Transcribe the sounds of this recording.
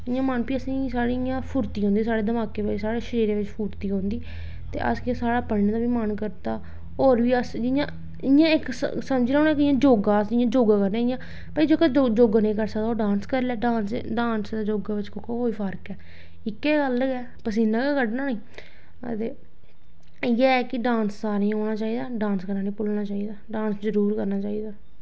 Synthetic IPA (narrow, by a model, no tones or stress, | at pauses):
ɪjãːmənpiəsĩːsaːɽijãːpʰʊɾt̪iːɦõːnd̪iːsaːɽeːd̪əmaːkeːʋɪt͡ʃsaːɽeːʃəɾiːɾeːʋɪt͡ʃpʰʊːɾt̪iːɦõːnd̪iː | t̪ḛːʔə̰skːãsaːɽaːpəɽnːd̪aːbiːmənkəɾt̪aː | oːɾʋiːəsd͡ʒɪjãː | ɪjãːɪksəməd͡ʒlaːoːñaɛːkɪjãːd͡ʒoːɡaːd͡ʒɪjãːd͡ʒoːɡaːkəɾnẽːɪjãː | pəid͡ʒoːkɛd͡ʒod͡ʒoːɡãːnĩːkəɾsəkd̪aːoːɖãːnskəɾlɛːɖãːnsɖãːnsd̪aːd͡ʒoːɡaːʋɪt͡ʃkʊkːaːɦoːiːpʰəɾkɛː | ɪkːɛːɡəlɡɛː | pəs̬ĩːnãːkaːkəɖnaːnĩː | ət̪eː | jɛːkɪɖãːnsːaːɾiːɦoːɽ̃aːt͡ʃaːiːd̪aːɖãːnskəɾnaːnĩːpʊlnaːt͡ʃaːiːd̪aːɖãːnszəɾuːɾkəɾnaːt͡ʃaːiːd̪aː